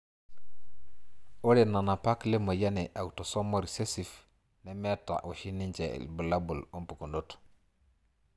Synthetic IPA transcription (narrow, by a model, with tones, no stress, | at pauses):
oɾe˨nːa˨na˨pa˦kle˦mo˨ja˦neʔa˨wto˨so˦mːo˨ɾise˦sif | nemɛ˦tːa̰wu˨ʃi˦nːiɲt͡ʃḛlbu˨labu˨lo˦mpu˨kundot